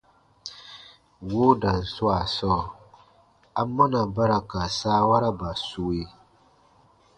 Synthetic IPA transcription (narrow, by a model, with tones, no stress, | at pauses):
wo˦da˨n̩˨sʊ˦a˨sɔː˦˨ | a˦mːa˦na˨ba˦ɾa˨ka˨saː˦wa˦ɾa˦ba˨su˦we˦